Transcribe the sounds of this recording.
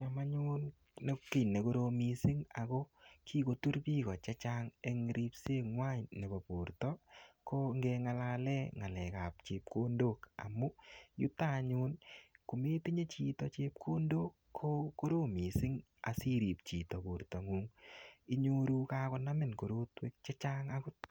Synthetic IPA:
ɲa˨ma˦ɲu˦n | ne˦ki˨ne˨ko˦ɾo˧mi˨si˦ŋa˨ko˦kʰi˦ko˨˧tu˦ɾpiː˦ɣɔ˨t͡ʃa˦t͡ʃa˦ŋe˦ŋɾʔi˦pse˦ŋwa˦ɲne˨ba˨po˨ɾtɔ˦ko˦ŋɡɛ˧ŋa˧la˧lɛ˦ŋa˨lɛ˨ka˨p̚t͡ʃe˨p̚kʰo˦ndo˦ka̰˨mu˦ju˦ta˦ɲu˧nku˨meː˦ti˦ɲe˦t͡ʃi˧tɔ˨t͡ʃeː˦p̚kʰo˦ndoː˦kʰːo˦ko˦ɾo˦mi˨sɪ˦ŋ | a̰˨si˦ɾi˨p̚t͡ʃiː˨tɔ˨po˨ɾtɔ˨ŋuː˦ŋi˦ɲo˦ɾu˦kaː˦kɔ˧na˦mɪ˨nko˨ɾo˦twe˦k̚t͡ʃe˦t͡ʃaː˦ŋakʊ˦t̚

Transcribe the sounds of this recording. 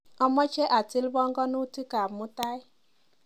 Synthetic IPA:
ɔ˦mɔ˦t͡ʃɛ˦ʔa˨ti˦lbɔ˦ŋɡɔ˦nu˦ti˦ka˨mʊ˦ta˦j

